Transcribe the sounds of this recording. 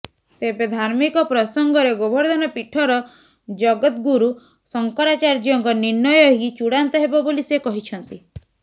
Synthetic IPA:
t̪ebed̪ʱaɾmikɔpɾɔsɔŋɡɔɾeɡobʱɔɾd̪ʱɔnɔpiʈʰɔɾɔ | d͡ʒɔɡɔt̪ɡuɾu | sɔŋkɔɾat͡ʃaɾd͡ʒɔŋkɔniɾnːɔjɔɦit͡ʃuɽant̪ɔɦebɔbolisekɔɦit͡ʃʰɔnt̪i

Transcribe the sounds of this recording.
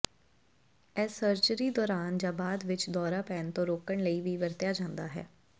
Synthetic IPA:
ɛːsəɾt͡ʃɾiːd̪ɔːɾaːnd͡ʒãːbaːd̪ʋɪt͡ʃd̪ɔːɾaːpɛːnt̪õːɾoːkəɳləiːʋiːʋəɾt̪jaːd͡ʒãːnd̪aːɦɛ̰ː

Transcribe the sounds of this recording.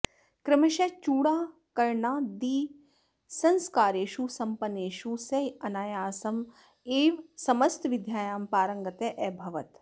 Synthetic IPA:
kɾɪmɐʃɐt͡ʃuːɽaː | kɐɾɳaːd̪iː | sɐ̃nskaːɾeːʃuːsɐmpɐneːʃusɐjɐnaːjaːsɐm | eːʋsɐmɐst̪ʋɪd̪ʱjaːjaːmpaːɾɐŋɡɐt̪eʔɛbʱɐʋɐt̪

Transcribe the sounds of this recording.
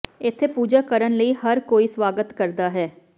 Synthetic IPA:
ɪt̪ʰːepuːd͡ʒaːkəɾənləiːhəɾkoːiːswaːɡət̪kəɾd̪aːɦɛː

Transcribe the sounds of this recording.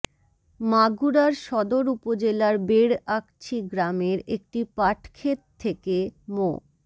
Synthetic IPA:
maɡuɾaɾʃɔd̪oɾupod͡ʑelaɾbeɾak̚t͡ɕʰiɡɾameɾek̚ʈipaʈkʰet̪̚t̪ʰːekemo

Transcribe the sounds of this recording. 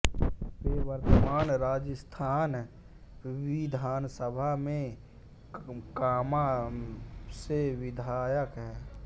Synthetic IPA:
peːʋəɾt̪əmaːnɾaːd͡ʒəst̪ʰaːn | ʋɪd̪ʱaːnsəbʱamẽ | kaːma | seʋɪd̪ʱaːjəkɦɛː

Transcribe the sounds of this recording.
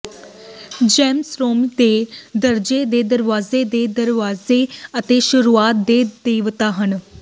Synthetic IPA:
d͡ʒɛːmsɾoːmd̪ed̪əɾd͡ʒed̪eːd̪əɾʋaːzed̪eːd̪əɾʋaːzeət̪eʃʊɾuaːt̪̚d̪eːd̪eːʋt̪aɦən

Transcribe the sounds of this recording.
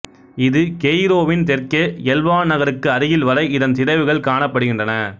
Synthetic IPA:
ɪðɯkɛjɾoːʋɪnt̪ɛrkɐɛlʋaːnnɐɣɐɾɯkːɯɐɾɪjɪlʋɐɾɐɪɪðɐnt̪ɪðɐɪʋɯɣɐɭkaːɳɐpːɐɽɯɣɪndrɐnɐ

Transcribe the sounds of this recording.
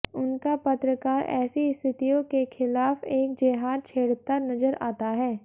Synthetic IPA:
ʊnkapɐt̪ɾəkaːɾɛ̰ːsiɪst̪ʰɪt̪ijõkexʰɪlaːfeːk̚d͡ʒeːɦaːt͡ʃʰeːɽt̪anɐzəɾa̰ːt̪aɦɛː

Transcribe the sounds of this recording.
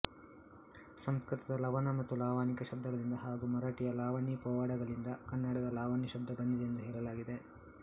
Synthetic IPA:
sɐmskɾit̪ɐd̪ɐlɐʋɐnɐmɐt̪ːulaːʋaːnikɐʃɐb̚d̪ʱɐɡɐɭind̪ɐɦaːɡumɐɾaːʈijɐlaːʋaːnipɔːʋaːɽɐɡɐɭind̪ɐkɐnːɐɽɐd̪ɐlaːʋaːniʃɐb̚d̪ʱɐbɐnd̪id̪end̪uɦɛːɭɐlaːɡid̪e

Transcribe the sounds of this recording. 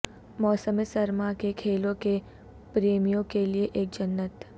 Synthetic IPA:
mɔːsəmesɐɾmakekʰeːlõke | pɾeːmijõkelieʔeːk̚d͡ʒɐnːət̪

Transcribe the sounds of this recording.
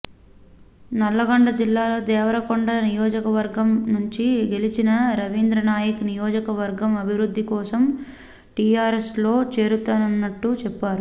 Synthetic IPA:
nɐlːɐɡɐɳɖɐd͡ʒilːaːlo̞ːd̪ɛːʋɐɾɐkoɳɖɐnijɔːd͡ʒɐkɐʋɐɾɡɐmnuɲt͡ʃiɡe̞lit͡ʃinɐɾɐʋiːnd̪ɾɐnaːjɐkunijoːd͡ʒɐkɐʋɐɾɡɐmɐbʱiʋɾud̪ʱːikɔːsɐm | ʈijaːɾeslo̞ːt͡ʃe̞ːɾut̪aːnɐnːɐʈːut͡ʃɛpːaːɾu

